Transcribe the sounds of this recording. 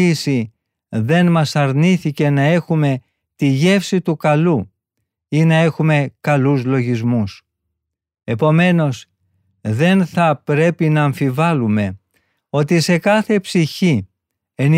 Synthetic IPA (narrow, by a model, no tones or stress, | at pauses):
isi | ðe̞nmɐsɐɾniθice̞nɐe̞xume̞ | t̪iʝe̞fsit̪ukɐlu | inɐe̞xume̞kɐluzlo̞ʝizmus | e̞po̞me̞no̞s | ðe̞nθɐpɾe̞pinɐːɱfivɐlume̞ | o̞t̪ise̞kɐθe̞psiçi | en